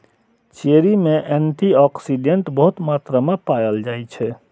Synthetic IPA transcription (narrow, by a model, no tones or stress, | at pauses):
t͡ʃeɾimeʔɛɳʈiɔksiɖeɳʈbəɦut̪mat̪ɾəmepajəld͡ʒajt͡ʃʰɛ